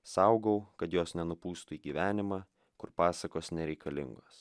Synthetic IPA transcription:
sɐʊɡɐʊkɐt̪joːsnʲɛnʊpuːst̪ʊiːɡʲiʋʲæːnʲɪmɑː | kʊɾpɑːsɐkoːsnʲɛɾʲɛɪkɐlʲɪ̰ŋɡoːs

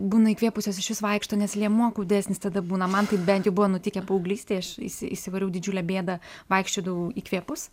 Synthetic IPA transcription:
buːnɐiːkʋʲiɛpʊsʲoːsɪʃʋʲɪsʋɐɪkʃt̪oːnʲɛslʲiɛmuɔkʊːdʲɪd̪ʲæːsʲnʲɪst̪ɐd̪ɐbuːnɐmɐnt̪ɐɪp̚bʲɛnʲt̪jɛʊbʊʋɐnʊt̪ʲikʲɛpoːʊɡlʲiːsʲt̪ʲeɪɐʃḭsʲɪɪsʲɪʋɐɾʲɛʊd̪ʲɪd͡ʒʲuːlʲɛbʲeːd̪ɐʋɐɪkʃʲt͡ʃʲoːd̪ɐʋʊiːkʋʲiɛpʊs

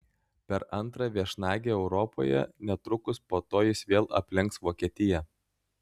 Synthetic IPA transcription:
pʲɛɾɐnˑt̪ɾɑʋʲiɛʃnɑːɡʲeːɛʊɾɔpo̰ːjɛ̰nʲɛt̪ɾʊkʊspoːt̪oːjɪsʋʲeːlˠɐ̰pʲlʲɪŋksʋoːkʲiɛt̪ʲɪjɛ

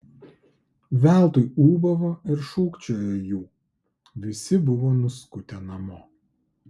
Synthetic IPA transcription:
ʋʲæˑlˠt̪ʊɪuːbɐʋoːɪɾʃuːkt͡ʃʲoːjoːjuː | ʋʲɪsʲɪbʊʋoːnʊskʊt̪ʲɛnɐmoː

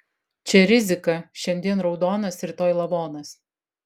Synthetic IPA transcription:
t͡ʃʲɛɾʲɪzʲɪkɐʃʲɛnʲd̪ʲiɛnɾɒʊd̪oːnɐsɾʲɪt̪oːjlˠɐʋoːnɐs

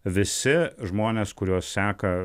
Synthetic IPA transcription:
ʋʲɪsʲɪʒmoːnʲeːskʊɾʲoːssʲæːkɐ

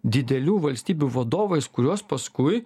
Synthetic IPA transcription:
d̪ʲɪd̪ʲɛlʲuːʋɐlʲsʲt̪ʲiːbʲuʋɐd̪oːʋɐɪskʊɾʲoːspɐskʊɪ

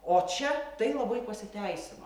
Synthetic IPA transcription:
oːt͡ʃʲɛt̪ɐɪlˠɐbɐɪpɐsʲɪt̪ʲɛɪsʲɪno

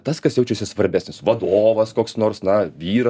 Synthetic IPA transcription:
t̪ɐskɐsjɛʊt͡ʃʲɛsʲɪsʋɐɾʲbʲæːsʲnʲɪsʋɐd̪oːʋɐskoːksnoːɾsnɐʋʲiːɾɐ

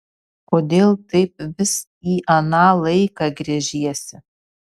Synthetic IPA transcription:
koːd̪ʲeːlˠt̪ʰɐɪp̚ʋʲɪs | iːʔɐnaːlˠɐɪkɑɡɾʲeʒʲijɛsʲɪ

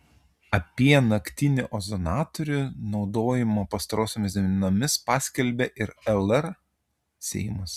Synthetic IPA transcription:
ɐpʲiɛnɐkʲt̪ʲɪnʲɪʔɔzonɑːt̪ɔɾʲʊnɒʊd̪oːjɪmopɐst̪ɐɾoːsʲomʲɪsd̪ʲɛmʲnʲɪnomʲɪspɑːsʲkʲɛlʲbʲɛʔɪɾɛlˠɛɾ | sʲɛ̰ɪmʊs

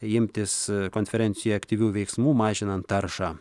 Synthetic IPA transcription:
ɪmʲt̪ʲɪskoːnʲfʲɛɾʲɛnʲsʲɪjuɐkt̪ʲiʋʲuːʋʲɛɪksmuːmɑːʒʲɪnɐnt̪ːɐɾʃɑː

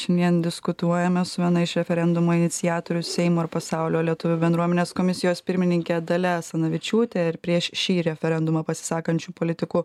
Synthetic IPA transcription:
ʃʲɛnd̪ʲiɛnd̪ʲɪskʊt̪uɔjɛmʲɛsʊʋʲiɛnɐɪʃɾʲɛfʲɛɾʲɛnd̪ʊmoːɪnʲɪt̪sʲɪjæːt̪oːɾʲʊsʲɛɪmoːɪɾpɐsɑʊlʲoːlʲiɛt̪ʊʋʲʊbʲɛnd̪ɾuɔmʲɛnʲeːskomʲɪsʲɪjoːspʲɪɾʲmʲɪnʲɪŋʲkʲɛd̪ɐlʲɛsɐnɐʋʲɪt͡ʃʲuːt̪ʲeɪɾpʲɾʲiɛʃʃʲiːɾʲɛfʲɛɾʲɛnd̪ʊmɐpɐsʲɪ̥sɑːkɐnʲt͡ʃʲuːpoːlʲɪt̪ʲɪkuː

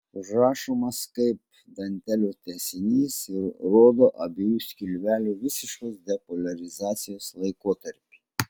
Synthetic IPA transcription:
ʒɾɑːʃoːmɐskɐɪp̚ | d̪ɐnʲt̪ʲɛlʲuːt̪ʲɛsʲɪnʲiːsɪɾɾoːd̪oːʔɐbʲejuːsʲkʲɪlʲʋʲæːlʲuːʋʲɪsʲɪʃkoːsd̪ʲɛpoːlʲɐɾʲɪzɑːt̪sʲɪjoːslˠɐɪkoːt̪ɐɾʲpʲi

